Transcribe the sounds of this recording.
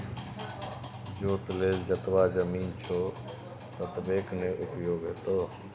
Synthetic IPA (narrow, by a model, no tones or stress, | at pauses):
d͡ʒoːt̪leːld͡ʒət̪ʋaːzəmiːnt͡ʃʰoː | t̪ət̪beːknẽːʔʊpjoːɡɦeːt̪oː